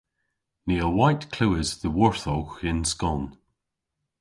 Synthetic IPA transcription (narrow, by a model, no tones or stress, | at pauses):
niːəwaɪtkʰl̥uːɪzðəwɔɹθɔxɪ̃nskɔn